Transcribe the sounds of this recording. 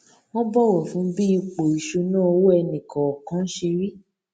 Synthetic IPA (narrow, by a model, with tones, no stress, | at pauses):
w̃ɔ̃˦bɔ˦˨wɔ˨fũ˨˦bi˦i˦˧k͡po˨i˨ʃu˧nãː˦˧wo˦ɛ˧nĩ˨kɔ̃˨ɔ˨kã˨˦n̩˦ʃe˧ɾi˦